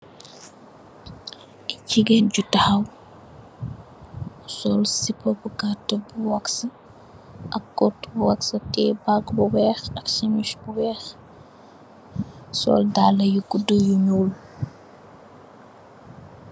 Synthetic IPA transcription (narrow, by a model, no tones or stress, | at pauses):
iciɡɛnɟutahɐw | sɔlsipːɔbukatːbuwaksɐ | ʔɐkːɔtbuwaksɐtɛbaɡbuwɛːxɐksemiʃbuwɛːx | sɔ̰ldalɐjuɡudujuɲul